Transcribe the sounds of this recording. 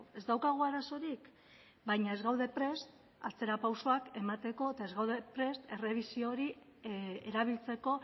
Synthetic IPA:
e̞zd̪awkaɣ̞oaɾaso̞ɾik | bajɲae̞zɣawðe̞pɾe̞st̪ | at͡se̞ɾapawsoake̞mat̪e̞ko̞et̪ae̞zɣawðe̞pɾe̞st̪e̞re̞β̞isio̞ɾi | e̞ɾaβ̞ilt͡se̞ko̞

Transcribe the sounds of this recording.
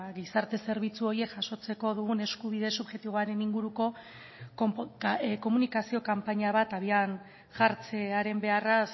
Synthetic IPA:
ɣisaɾt̪e̞se̞ɾβ̞it͡suo̞ɾie̞kʝaʃo̞t͡se̞ko̞ðuɣ̞une̞skuβ̞iðe̞suβʝe̞t̪iβo̞aɾe̞niŋɡuɾuko̞ | ko̞munikasio̞kampaɲaβ̞at̪aβian | ʝaɾt͡se̞aɾe̞mbe̞aras

